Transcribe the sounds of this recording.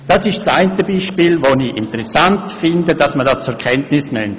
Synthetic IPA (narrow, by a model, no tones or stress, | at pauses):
d̥asɪʃtsa̰ɪntəbiːʃpiːlvoniɪntəɾɛsantfɪndədɑsmədast͡sʊɾkʰɛntnɪsnɛnt